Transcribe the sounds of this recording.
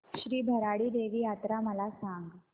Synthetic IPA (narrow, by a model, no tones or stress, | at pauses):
ɕɾiːbʱəɾaɽiːd̪eʋiːjat̪ɾaməlasãŋɡ